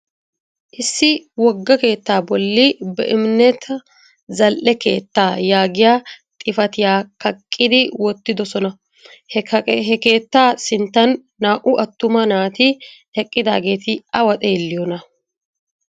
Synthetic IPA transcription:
ʔɪsːɪwɔɡːɐke̞ːt̪ːaːbɔlːɪbɛ̰ʔɪmɪnɛt̪ʰɐ | zɐlʔɛke̞̰ːt̪ːaːjaːɡɪjaːt̪ʼɪfɐt̪ɪjaːkɐkʼːɪd̪ɪwɔt̪ːɪd̪ɔsɔnɐ | ɦɛke̞ːt̪ːaːsɪnt̪ːɐnː | aːʔʊʔɐt̪ːʊmɐnaːt̪ɪ | ɛkʼːɪd̪a̰ːɡe̞ːt̪ɪɐwɐt̪ʼeːlːɪjɔnɐ

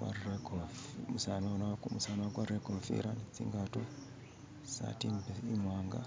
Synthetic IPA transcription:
a̰ekɔmusananamusanwakwarekonfḭɾant͡sḭŋɡatu | sa̰timbeimwaŋɡa̰

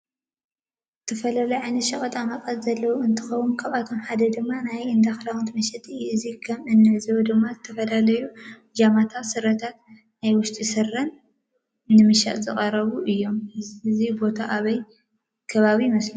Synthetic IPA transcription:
zɨt̪ʰɐfɐlalɐjʕajnɐt̪ʃɐχʼɐt̪ʼamɐkʼɐt̪zɐlːɐwuɨnt̪ʰɨxɐwunkʰaβat̪ʰo̞mħad̪ɐd̪ɨmːanajɨnd̪axlawnt̪mɐʃɛt̪ʰʼiɨjɨzikʰɐmɨnːɨʕɨzɐwud̪ɨmːazɨt̪ʰɐfɐlalɐju | d͡ʒamat̪ʰawsɨɾɐt̪ʰat̪ | najwʊʃt̪ʼisɨrːɐnː | ɨmɨʃa̰ʔ̪zɨχʼɐɾɐβuʔɨjːo̞mɨzibo̞t̪ʰaʔaβɐj | kʰɐβaβimɐsli

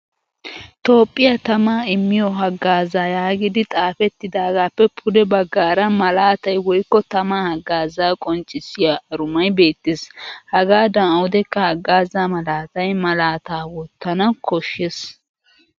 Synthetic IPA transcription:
t̪o̞ːpʼːɪjɐt̪ɐmaːɪmːɪjɔɦɐɡːaːzaːjaːɡɪd̪ɪt̪ʼaːfɛt̪ːɪd̪aːɡaːpːɛpʰʊd̪ɛbɐɡːaːɾɐmɐlaːt̪ɐjwɔjkːɔt̪ɐmaːhɐɡːaːzaːkʼɔnt͡ʃʼɪsːɪjaɐɾʊmɐjbe̞ːt̪ːeshɐɡaːd̪ɐnɐwʊd̪ɛkːɐhɐɡːaːzaːmɐlaːt̪ɐjmɐlaːt̪aːwɔt̪ːɐnɐkʰɔʃːes

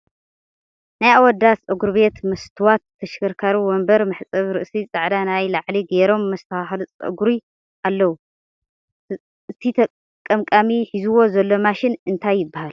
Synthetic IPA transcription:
najawɔd̪at͡sʼɨɡuɾbe̞t̪mɐst̪ʰɨwat̪ʰːɐʃkʰɐɾkʰaɾuwɔmbɐɾmɨħt͡sʼɐβɾɨʔsit͡sʼɨʕd̪anajlaʕliɡeɾo̞mːɐst̪ʰɐaxlɨt͡sʼɨ̰ɡɾi | ʔalːɐwu | ɨt̪ʰit̪ʰɐ | kʼːɐmkʼamiħizuwo̞zɐlːo̞maʃɪnɨnt̪ʰajːɪbːahal

